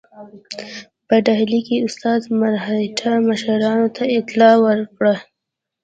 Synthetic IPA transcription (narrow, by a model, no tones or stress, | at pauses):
pəɖaɦlikeʊst̪ɑːzmaɾɦaʈʰaməʃəɾɑnot̪ʰaɪt̪lɑwəɾkɽa